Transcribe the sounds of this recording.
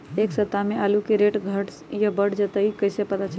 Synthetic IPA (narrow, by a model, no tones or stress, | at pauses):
eksət̪ːamealukiɾeʈɡʱəʈ | jəbəɽd͡ʒət̪əikəjsepət̪at͡ʃʰəl